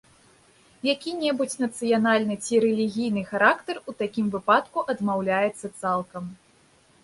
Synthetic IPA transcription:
jakʲinʲɛbut͡sʲnɐt̪sɨjanalʲnɨt͡sʲiɾɛlʲiɣʲijn̪ɨxaɾakt̪ɐrut̪akʲimvɨpat̪kuʔɐd̪mawlʲajɛt̪sːɐt̪salˠkɐm

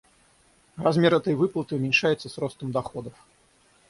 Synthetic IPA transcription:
razmʲɛɾɛt̪ɔjvɨplˠɐt̪ɨumʲɛnʲʂajɛt̪sːɐsɾɔst̪ɐmd̪axɔd̪ɐf

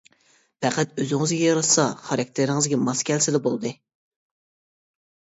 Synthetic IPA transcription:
pɛqʰæt̪øzɪŋɨzɡʲɛjɑɾɑsɑχɑɾɑk̚ʲt̪ʰɪɾɪŋɨzɡʲɛmɑskʲʰɛlsɪd̪ɛbolˠɨd̪ɨ

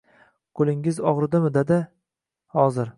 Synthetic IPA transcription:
kʰɵlɪŋɪzɒʁɾɨd̪amɪd̪ed̪ɪ | hɒzɪɾ

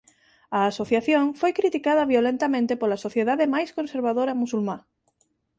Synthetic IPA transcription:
ɐːsoθjaθjõŋfojkɾit̪ikaðɐβiolẽnt̪ɐmẽnt̪epolasoθjeðaðemajskõnseɾβaðoɾɐmusulma

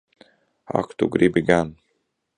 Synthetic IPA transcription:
ha̰kt̪uɡɾibɪɡan

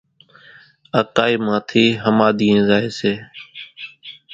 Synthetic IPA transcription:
əkaːiːmãːt̪ʰiːɦəmaːɗ̪iːẽːzaːeːseː

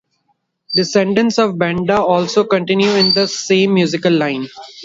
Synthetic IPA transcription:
ɖɪsɛ̃ɳɖə̃nsɔːʋbɛ̃ɳɖaɔːlsoːkə̃ɳʈɪ̃njuɪ̃nd̪əsẽːmːjuːzɪkəlːãɪ̃n

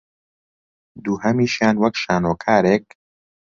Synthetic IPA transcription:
d̪uːhɐmiːʃjaːnwɐkʃaːnoːkʰaːɾeːk̚

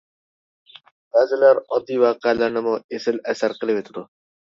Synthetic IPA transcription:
b̥æːzɪlæɾɔd̪ːiwaːqeɛlæɾnɪmʊesɪlæsæɾqəlˠɪpet̪ʰɪd̪u

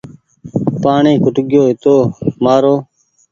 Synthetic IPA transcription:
paːɳẽːkʰʊʈɠjoːɦɪt̪oːmaːɾoː

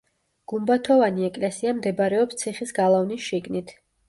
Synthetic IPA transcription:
ɡ̥umbat̪ʰɔvaniɛkʼlɛsiamd̪ɛbaɾɛɔpst̪sʰiχisɡalˠavnisʃiɡnit̪ʰ

